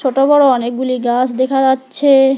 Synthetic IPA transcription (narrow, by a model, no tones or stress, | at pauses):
oʈobɔɽoɔnekɡuliɡasd̪ekʰad͡ʑatːɕʰe